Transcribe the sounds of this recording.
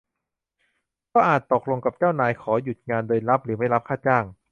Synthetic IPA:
kɔː˥˩ʔaː˨˩t̪ːo˨˩k̚lo˧ŋka˨˩p̚t͡ɕaː˥˩wnaː˧jkʰɔː˩˦ju˨˩t̪̚ŋaː˧ndoː˧jɾa˦˥p̚ɾɯː˩˦ma˥˩jla˦˥p̚kʰaː˥˩t̪̚t͡ɕaː˥˩ŋ

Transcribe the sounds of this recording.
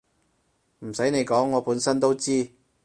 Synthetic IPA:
m̩˨˩sɐ˨˥jne˨˧jkɔː˨˥ŋːɔː˨˧puː˨˥nsɐ˥nt̪o˥wt͡siː˥

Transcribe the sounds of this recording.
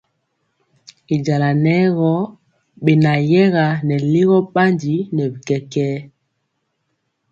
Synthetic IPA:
i˨d͡ʒa˨la˨nɛ˦ɣɔ˦ | ɓe˨na˨jɛ˦ɣa˨nɛ˨li˦ɣɔ˦ɓa˦nd͡ʒi˨˦nɛ˨bi˨kɛ˨kɛː˦

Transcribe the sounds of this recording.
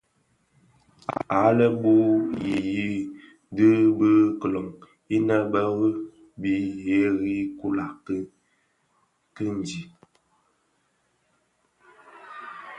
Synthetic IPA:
a̰˨ʔa˨˦lə˦bu˦ji˨ji˦ | də˦bə˦kə˨lɔ˨ŋ | i˦na˦bə˦ɣə˦ | bi˦je˦ɣi˦ku˦la˨k | kə˦n˨d͡ʒi˨

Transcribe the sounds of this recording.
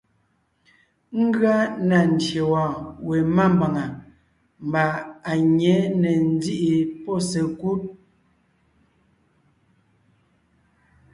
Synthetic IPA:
ŋ̩˦ɡɰa˦na˨n̩˨tje˨wãː˨we˨ma˦˨m˨ba˨ŋa˨ | m˨ba˨a˨ɲɛ˨˦nɛ˨n̩˦d͡zi˦ʔi˨pɔ˦˨se˨ku˦t̚

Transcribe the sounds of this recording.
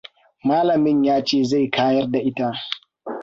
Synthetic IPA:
maː˦lɐ˨mɪ˦ɲjaː˦t͡ʃeː˦˨za˦˨jkʰaː˦jɐ˦rda˨ʔɪ˦ta˦ʔ

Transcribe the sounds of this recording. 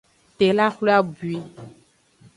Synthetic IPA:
t̪e˨la˦xle˦a˦bu˨i˦

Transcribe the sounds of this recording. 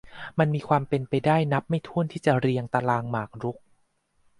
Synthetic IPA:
ma˧nmiː˧kʰwaː˧mpe˧npa˧jdaː˥˩jna˦˥p̚ma˥˩jt̪ʰu˥˩ənt̪ʰiː˥˩t͡ɕa˨˩ɾi˧əŋt̪a˧laː˧ŋmaː˨˩k̚ɾu˦˥k̚

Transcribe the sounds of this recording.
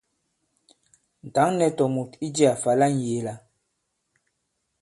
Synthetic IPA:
n̩˨ta˨˦ŋnɛ˨tɔ˨mu˨ti˦d͡ʒi˦a˨fa˨la˦n˨je˨˦˨la˨

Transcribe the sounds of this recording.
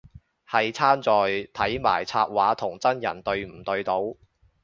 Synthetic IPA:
hɐ˨jt͡sʰaː˥nt͡sɔː˨jt̪ʰɐ˨˥jma̰ː˨˩jt͡sʰaː˧t̚waː˨˥t̪ʰʊ˨˩ŋt͡sɐ˥njɐ̰˨˩nt̪ɵ˧ɥm̩˨˩t̪ɵ˧ɥt̪o˨˧˥w

